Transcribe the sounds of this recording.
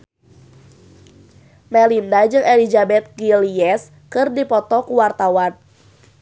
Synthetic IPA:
mɛlindad͡ʒɨŋʔelid͡ʒabɛt̪̚ɡiliɛs | kɨrdipɔt̪ɔkuwart̪awan

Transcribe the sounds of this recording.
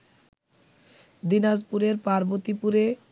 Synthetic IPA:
d̪inad͡ʑpuɾeɾpaɾbot̪ipuɾe

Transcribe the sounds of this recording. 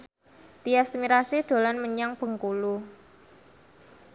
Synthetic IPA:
t̪iasmiɾasid̪̥o̤lanməɲaŋb̥ə̤ŋkulu

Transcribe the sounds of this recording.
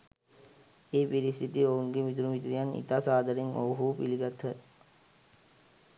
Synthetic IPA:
eːpiɾist̪ʰit̪iouŋɡemit̪uɾumit̪ɾijanḭt̪asaːd̪ɐɾiŋo̰ʋɦuːpiliɡat̪ʰːə

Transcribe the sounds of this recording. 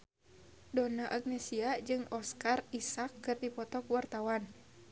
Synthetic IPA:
dɔnaʔaɡ̚nɛsiad͡ʒɨŋɔskarisakːɨrdipɔt̪ɔkuwart̪awan

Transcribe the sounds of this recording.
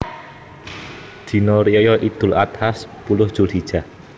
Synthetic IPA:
d̪̥i̤nɔɾiɔjɔʔid̪̥ʊlat̪haspulʊhd̥ʒ̥ṳlhid̥ʒ̥a̤

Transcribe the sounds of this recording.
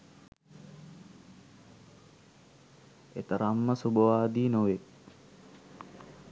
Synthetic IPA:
ḛt̪əɾʔamːəsubəʋaːd̪iːnoʋe

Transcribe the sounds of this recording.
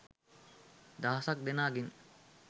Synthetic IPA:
d̪aːɐsak̚d̪enaːɡiŋ

